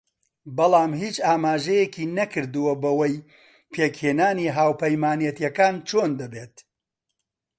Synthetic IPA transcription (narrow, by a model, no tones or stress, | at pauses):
bɐlˠaːmhiːt͡ʃaːmaːʒɐjekʰiːnɐkɨɾd̪ɨwɐbɐwɐj | pʰeːkheːnaːniːɦaːwpɐjmaːnjɛt̪jɐkaːnt͡ʃʰoːnd̪ɐbeːt̪